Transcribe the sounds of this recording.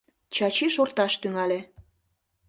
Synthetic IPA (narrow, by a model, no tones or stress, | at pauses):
t͡ɕɑt͡ɕiʃort̪ɑʃt̪yŋɑle